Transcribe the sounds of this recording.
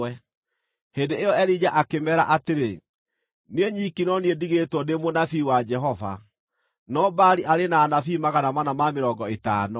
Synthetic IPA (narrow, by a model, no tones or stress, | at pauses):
ɛ | hendeejɔɛɾid͡ʑaʔakemɛɾaʔateɾe | nieɲikinɔniediɣetwɔnemonafiwad͡ʒɛɦɔva̰ | nɔbaɾiʔaɾenaːnafimaɣanamanamameɾɔɡɔetaːnɔ